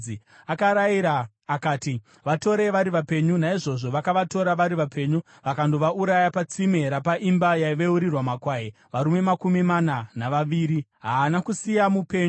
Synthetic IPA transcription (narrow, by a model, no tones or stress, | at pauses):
i | akaɾaiɾaː | kaːti | ʋato̞ɾe̞ʋaɾiʋape̞ɲunaiʐo̞ʐo̞ʋakaʋato̞ɾaʋaɾiʋape̞ːɲu | ʋakandoʋaʔuɾajapat͡sime̞ɾapaʔimbajaʋeuɾirwamakwaːje | ʋaɾume̞makumimananaʋaʋiːɾiɦaːnakusijamupe̞ːɲu